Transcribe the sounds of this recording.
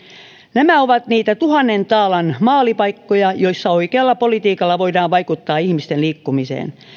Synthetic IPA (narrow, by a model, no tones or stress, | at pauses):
næmæoʋɑt̪niːt̪æt̪uhɑnːent̪ɑːlɑnmɑːlipɑikːojɑjoisːɑoikeɑlːɑpolit̪iːkɑlːɑʋoidɑːʋʋɑikut̪ːɑːihmist̪enliːkːumisḛːn